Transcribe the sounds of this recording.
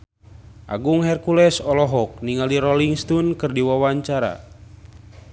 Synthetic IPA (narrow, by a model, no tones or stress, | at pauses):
ʔa̰ɡuŋɦɛrkulɛsɔlɔɦɔk̚niŋaliɾɔliŋst̪unkɨrdiwawaɲt͡ʃaɾa̰